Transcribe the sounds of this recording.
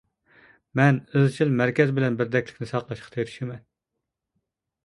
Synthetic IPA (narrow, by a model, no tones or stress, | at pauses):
mɛnezt͡ʃʰilmæɾkʲɛzbɪlɛnbɪɾd̪ɛkʲlɪ̥kʲnɪsɑqlˠɑʃqʰɑ̥t̪ʰeɾi̥ʃimɛn